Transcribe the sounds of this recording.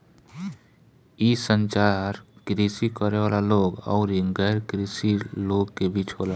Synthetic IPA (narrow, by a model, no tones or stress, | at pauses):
iːsə̃nt͡ʃaɾkɾiːsikəɾewaːlaloːɡɔ̰ːɾɡɛːɾkɾiːsiloːɡkebit͡ʃɦoːla